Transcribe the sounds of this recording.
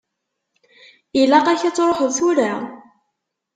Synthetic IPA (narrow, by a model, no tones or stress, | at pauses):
ilæqæçæt͡sːɾˤoħəðθuɾa